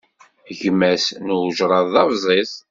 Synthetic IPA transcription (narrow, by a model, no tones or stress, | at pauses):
ʝmːæsnwʒɾˤɑððɑvzˤes